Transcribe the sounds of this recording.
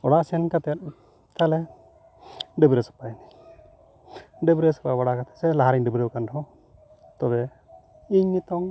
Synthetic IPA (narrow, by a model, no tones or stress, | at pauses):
ɔɽasɛnkat̪ɛt̪̚ | t̪alɛ | ɖəbɾesɔ̥pajni | ɖəbɾesɔ̥pabaɽakat̪ʰɛ̥sɛlaɦaɾɛŋɖəbɾəwkandɔɔ | t̪ɔbɛ | iɲnit̪ɔŋ